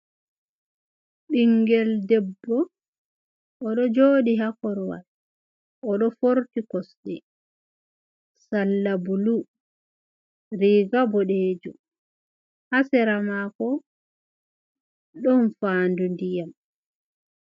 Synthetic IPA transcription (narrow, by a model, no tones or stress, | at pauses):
ɓiŋɡɛldɛbːɔ | ɗɔd͡ʒoːɗiɦakɔɾwa̰l | ʔɔɗɔfoɾtikɔsɗɛ | salːabulu | ɾiːɡabɔɗeːd͡ʒṵ | hasɛɾamakɔ | ɗɔnfaːndundijam